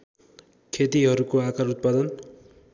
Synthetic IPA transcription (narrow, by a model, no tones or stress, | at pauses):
kʰet̪iɦʌɾukoakaɾut̪̚pad̪ʌn